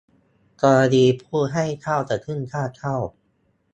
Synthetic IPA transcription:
kɔː˧a˧diː˧pʰuː˥˩ɦa˥˩jt̪ʰa˥˩wt͡ɕa˨˩t̪ʰːɯ˥˩ŋk̪ʰaː˥˩k̪ʰa˥˩w

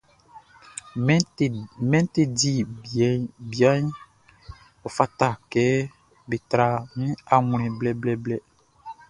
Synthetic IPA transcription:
mɛ̃˦n˦te˦di˦˨˦ | bi˨a˦ɲ˦ | ɔ˨fa˦ta˨kɛː˦ | be˨tɾa˨mĩ˦a˨ŋũ˨ɾɛ̃˨blɛ˦blɛ˦blɛ˦

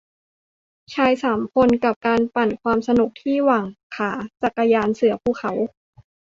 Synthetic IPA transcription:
t͡ɕʰaː˧jsaː˩˦mkʰo˧nka˨˩p̚kaː˧npa˨˩nkʰwaː˧msa˧nu˨˩k̚t̪ʰiː˥˩waː˨˩ŋkʰaː˩˦t͡ɕa˨˩kːa˧jaː˧nsɯ˩˦ɐpʰuː˨˩kʰa˩˦w

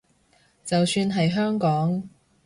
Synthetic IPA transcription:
t͡sɐ˨wsyː˧nɦɐ˨jɦœː˥ŋkɔː˨˥ŋ

